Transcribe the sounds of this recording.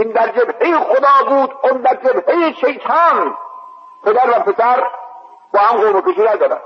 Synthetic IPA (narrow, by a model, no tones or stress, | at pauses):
ind̪æɾd͡ʒebhejixod̪ɑːbuːd̪ond̪æɾd͡ʒebhejiʃejt̪ʰɑːn | pʰed̪æɾvæpʰesæɾ | bɒːhæmɡoːbekeʃinæzæd̪æ̰m